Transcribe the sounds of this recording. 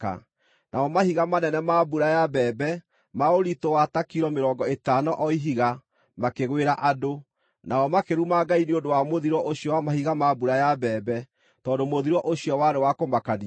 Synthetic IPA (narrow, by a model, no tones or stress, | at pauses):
a̰ | nʔaɔmahiɣamanɛnɛmabuɾajabɛːbɛ | maoɾitowatakiɾɔmeɾɔːŋɡɔetanɔʔɔiɦiɣa | makeɣweɾaʔado | naɔmakeɾumaɡaineondowamoðiɾɔʔoɕiɔwamaɦiɣamabuɾajabɛːbɛ | tɔːdomoðiɾwɔʔoɕijɔwaɾewakomakani